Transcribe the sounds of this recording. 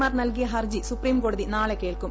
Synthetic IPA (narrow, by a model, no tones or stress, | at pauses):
aːɾnɐlɡijɐɦɐɾd͡ʒisupɾiːmkoɽud̪inaːɭekeːɭkum